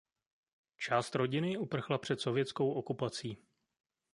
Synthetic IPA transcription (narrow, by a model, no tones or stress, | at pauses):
t͡ʃaːst̪ɾo̞ɟɪnɪupr̩xlapr̥ɛt̪so̞vjɛt͡sko̞wʔo̞kupat͡siː